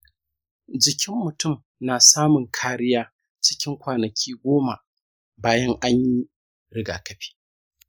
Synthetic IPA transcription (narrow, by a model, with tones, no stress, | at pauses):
d͡ʒɪ˨kʲɪ˦mːʊ˨tʊ˦˨m | naː˨saː˦mʊ˨ŋkʰaː˦ɽɪ˦jaː˦ | t͡ʃɪ̥˦kʲɪ˦ŋkʷaː˨nɐ˨kʲʰiː˦ɡʷoː˦ma˨ | baː˦jɐ˦ŋʔa˦ɲji˦ | ɾɪ˦ɡa̰ː˨kɐ˦ɸi̥ː˦